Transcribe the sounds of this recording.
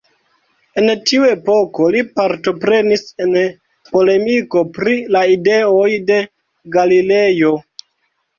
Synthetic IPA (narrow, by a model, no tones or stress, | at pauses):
e̞ntiue̞po̞ko̞lipaɾto̞pɾe̞nise̞n | po̞le̞miko̞pɾilaide̞ojde̞ | ɡalile̞jo̞